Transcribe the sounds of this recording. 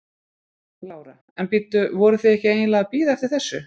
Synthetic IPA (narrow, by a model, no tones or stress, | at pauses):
laːwɾa | ɛnpiːt̪ʏvɔɾʏθɪɛhcɪeːjnlaɣapiːðaɛft̪ɪɾ̥θɛsːʏ